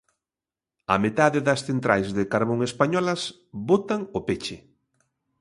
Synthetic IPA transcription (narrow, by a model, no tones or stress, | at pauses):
a̰met̪aðɪðɐsθent̪ɾajzðɪkaɾβoŋespaɲɔlɐs | bot̪aŋʊpet͡ʃɪ